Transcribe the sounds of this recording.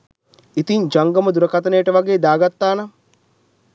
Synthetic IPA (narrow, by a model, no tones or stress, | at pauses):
it̪iɲd͡ʒaŋɡɐmɐd̪uɾɐkɐt̪ɐnejːʈəʋɐɡeːd̪aːɡat̪ːaːnɐ